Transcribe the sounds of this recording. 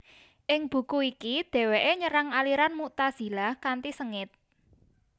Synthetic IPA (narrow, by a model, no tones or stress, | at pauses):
ʔɪŋb̥ṳkuikid̪̥ɛ̤weʔeɲəɾaŋaliɾanmut̪az̥i̤lahkant̪isəŋɪt̪̚